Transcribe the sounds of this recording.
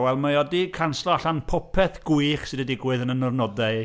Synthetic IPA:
wɛlˠmajɔdikʰanslˠɔaɬanpʰɔpʰɛθɡ̥uɨχsɨdədɪɡwɨðənənɔrnɔdaɨ

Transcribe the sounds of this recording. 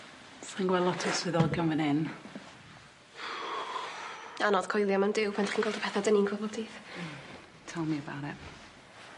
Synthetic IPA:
sinɡwɛlˠɔtʰɔsvɨðɔɡjɔnvənɪn | anɔð̥kʰɔjlˠjamandɪwpʰantχiːnɡɛːlˠɔpʰɛθadəninkʰəvɔtʰiːð | tʰɛlˠmiəba̰ɾɛb̥

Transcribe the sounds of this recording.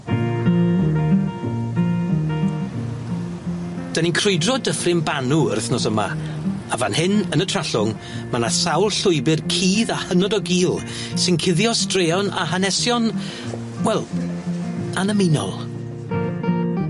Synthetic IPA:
d̥aninkʰrʊɨdrɔdəfrɪmbanuə̰rθnɔsəma̰ | avanhɪnənətʰr̥aɬʊŋ | manasawlˠɬʊjbɪrkʰiːðahənɔdɔɡiːlˠ | sɪnkʰɪðjɔstreːɔna̰hanɛsjɔn | wɛlˠ | anəmɪnɔ̰lˠ

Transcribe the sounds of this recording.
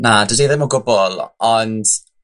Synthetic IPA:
nadədeðɪmɔɡʊbɔlˠɔnd̥

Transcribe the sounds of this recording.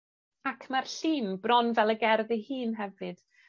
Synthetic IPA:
akʰmarɬiːnbrɔnvɛlˠəɡɛrðɪhɨːnɦɛvɨd̥

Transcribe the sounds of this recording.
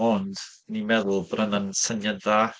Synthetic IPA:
ɔnd̥ | nimɛðʊlˠbrənənsənəða

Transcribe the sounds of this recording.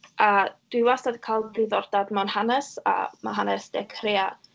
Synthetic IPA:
ad̥wiwastadkʰalˠbrɪðɔrd̥admɔnhanɛsa̰ma̰ɦanɛsd̥ɛkʰreːa

